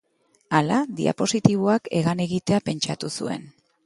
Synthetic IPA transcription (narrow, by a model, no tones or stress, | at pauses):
alaðḭa̰po̞sit̪iβ̞oake̞ɣane̞ɣit̪e̞ape̞nt͡ʃat̪usṵe̞̰n